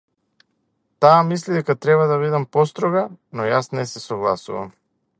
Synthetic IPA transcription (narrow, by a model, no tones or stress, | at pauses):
t̪aːmislid̪ɛkat̪ɾɛβad̪aβid̪ɛmpɔst̪ɾɔɡanɔjasnɛsɛsɔɡlˠa̰sṵva̰m